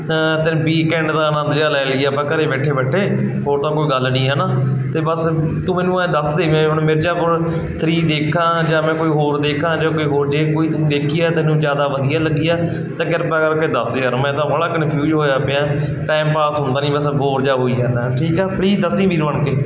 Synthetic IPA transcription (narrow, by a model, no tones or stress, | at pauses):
t̪ɪñːʋiːkɛ̃ːɳɖd̪ãːənə̃nd̪d͡ʒaːlɛːləɡijaːpãːkəɾeːbɛːʈʰːeːbɛːʈʰːeːɦoːɾt̪ãːkoːiːɡəlːɽiːɦɛːnaːt̪eːbəst̪ũːmɛːnũːd̪əsd̪eːʋẽːʊɳmɪɾd͡ʒaːpʊɾ | t̪ʰɾiːd̪eːkʰãːd͡ʒaːmɛ̃ːkoːiːɦoːɾd̪eːkʰãːd͡ʒaːkoːiːɦoːɾd͡ʒeːkoːiːt̪ʊsĩːd̪eːkʰɪjaːt̪ɪnũːd͡ʒjaːd̪aːʋəd̪ɪjaːləɡɪjaː | t̪ãːkɪɾpːɡəɾked̪əsd̪eːəɾmɛ̃ːt̪ãːʋəɽaːkənpʰjuːd͡ʒɦoːjaːpjãː | ʈaːɪmpaːsɦʊ̃nd̪aːnĩːbəsboːɾd͡ʒaːɦoːiːɦɛːnʈʰiːkɛːpʰliːzd̪əsĩːʋiːɾʋəɳkeː